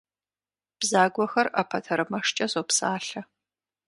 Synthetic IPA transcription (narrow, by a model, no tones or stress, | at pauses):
b̥zaːɡʷɔxɐrɐ̰pʰɐtʰɐɾɨmɐʂt͡ʃʼɐzopsaːɬɐ